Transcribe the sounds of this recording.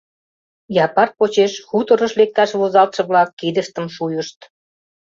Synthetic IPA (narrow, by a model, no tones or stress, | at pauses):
jɑpɑrpot͡ɕeʃxut̪ə̆ɾə̆ʃlek̚t̪ɑʃβozɑlt̪ʃɤ̆βlɑkːid̪əʃt̪ə̆mʃujəʃt̪